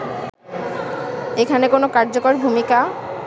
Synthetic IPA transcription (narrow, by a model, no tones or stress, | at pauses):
ekʰanekonokaɾd͡ʑokoɾbʱumika